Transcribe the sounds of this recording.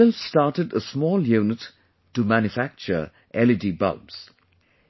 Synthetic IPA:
ɛlstɑɹtɨdəsmɔːlˠjʉːnət | təmæ̃njɨfæk̚t͡ʃə̰˞ | ʔɛlɨdibʌ̰bs

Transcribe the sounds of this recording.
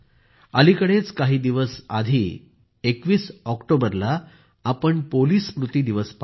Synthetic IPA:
əlikəɽet͡skaɦiːd̪iʋəsad̪ʱiː | ekʋiːsɔkʈobəɾlaː | pəɳpoliːspɾut̪iːd̪iʋəsp

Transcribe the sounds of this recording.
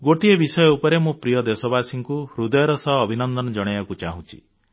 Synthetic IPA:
ɡoʈiebisɔjɔupɔɾemũpɾijɔd̪esɔbasiŋkuɾud̪ɔjɔɾɔsɔɦːbʱinɔnd̪ɔnɔd͡ʒɔɽ̃eakut͡ʃaɦũt͡ʃʰi̥̰

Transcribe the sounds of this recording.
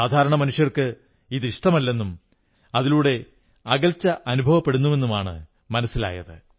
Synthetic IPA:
aːd̪ʱaːɾɐɳɐmɐnuʂjɐrkɨ | iːd̪iʂʈɐmɐlːe̞nːum | ɐðiluːɽe̞ | ɐɣɐlt͡ɕːɐʔɐnubʱɐʋɐpːe̞ɽunːuʋe̞nːumaːɳɨ̰ | mɐnɐsila̰ːjɐ̰ðɨ̰

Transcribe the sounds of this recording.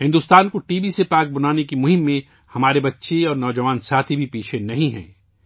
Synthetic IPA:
ɦɪ̃nd̪uːst̪aːnkoʈiːbisepaːk̚bɐnaːnekimʊɦɪmːẽ | hɐmaːɾebɐtːʃʰeɔːɾnɔːd͡ʒɐʋaːnsaːt̪ʰibʱipiːt͡ʃʰenɐɦĩɦɛ̰̃ː

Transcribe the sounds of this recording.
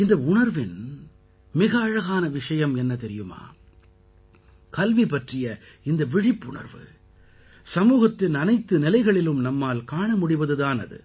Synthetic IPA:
ɪnd̪ɐʊɳɐɾʋɪn | mɪɣɐːɻɐɣaːnɐʋɪʂɐjɐmɛnːɐt̪ɛɾɪjɯma̰ː | kɐlʋipɐʈrɪjɐɪnd̪ɐʋɪɻɪpːʊɳɐ̰ɾʋɯ̰ | sɐmuːɣɐt̪ːɪnɐnɐɪt̪ːɯnɪlɐɪɣɐɭɪlɯmnɐmːaːlkaːɳɐmʊɽɪʋɐðɯðaːnɐ̰ðɯ̰

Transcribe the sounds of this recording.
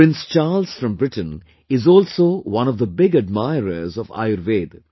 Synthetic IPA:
pɪ̃nst͡ʃaːlz̥fɾʌ̃mbɾɪʈə̃n̩ | ɪzɔːlsoːwʌ̃nɔvd̪əbɪɡəd̚maɪɾə̰ɾzɔʋa̰ɪəɾʋeːd̪

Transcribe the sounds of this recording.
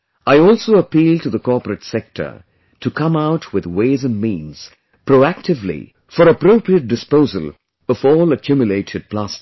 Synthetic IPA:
aɪɔlˠsoʊəpilˠtɨðəkɔɹpəɾɨtsɛk̚tʰə̰˞ | tʰɨkʰʌ̃maʊtʰwɪðweɪzɨ̃nmĩnz̥ | pʰɹoʊæk̚tɨvlḭ | fəɾəpɾoʊpɹiət̚d̥ɨspoʊzə̰lˠ | ʌvɔːləkʰjumjɨleɪɾʰɨd̚pʰl̥ast

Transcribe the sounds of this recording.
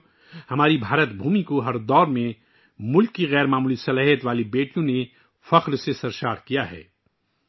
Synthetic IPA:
hɐmaːɾibʱaːɾət̪bʱuːmikoɦɐɾd̪ɔːɾmẽ | mʊlkːiɣɛːɾmaːmuːlisɐlaːɦjət̪ʋaːlibeːʈijõne | fɐqɾsesɐɾʃaːɾkijaɦɛ̰ː

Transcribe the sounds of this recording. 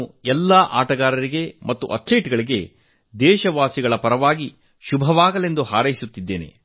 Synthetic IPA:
uɛlːaːʔa̰ːʈɐɡaːɾɐɾiɡe̞mɐt̪ːuʔɐt̪leːʈɡɐɭiɡe̞ | d̪ɛːʃɐʋaːsiɡɐɭɐpɐɾɐʋaːɡi | ʃubʱɐʋaːɡɐle̞nd̪uhaːɾɐjisut̪ːid̪ːe̞ːne̞̰

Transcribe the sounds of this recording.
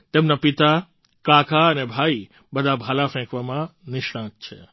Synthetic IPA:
t̪eːmnapit̪a | kaːkʰaɐnebʱaːi | ɓɐd̪ʱabʱaːlafʰɛ̃kʋamãnɪʃɽãːk̚t͡ʃʰe

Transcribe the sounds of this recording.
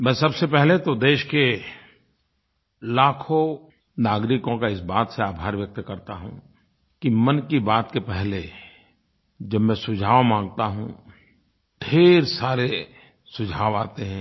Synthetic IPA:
mɛ̃ːsɐbsepɛɦlet̪od̪eːʃke | laːkʰõ | naːɡɾɪkõkaɪsbaːt̪seaːbʱaːɾʋjɐk̚t̪kɐɾt̪aɦṵ̃ː | kimɐnkibaːt̪kepɛɦle | d͡ʒɐbmɛ̃sʊd͡ʒʱaːʋmãːŋɡt̪aɦṵ̃ | ɖʱeːɾsaːɾe | sʊd͡ʒʱaːʋaːt̪eɦɛ̃ː

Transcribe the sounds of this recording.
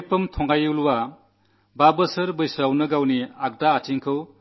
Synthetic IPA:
pɯmtʰɔŋajɯwlwa | babɯsɯɾbɯjsawnɯɡawniak̚daːt͡ʃiŋkʰɯw

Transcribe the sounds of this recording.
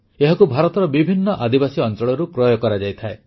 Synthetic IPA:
eɦɔkubʱaɾɔt̪ɔɾɔbibʱinːɔʔad̪ibasiɔnt͡ʃɔɭɔɾukɾɔjɔkɔɾad͡ʒajt̪ʰae

